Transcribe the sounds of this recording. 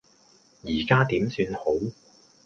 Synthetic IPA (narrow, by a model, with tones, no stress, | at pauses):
jiː˨˩kaː˥t̪iː˨˥msyː˧nho˨˥w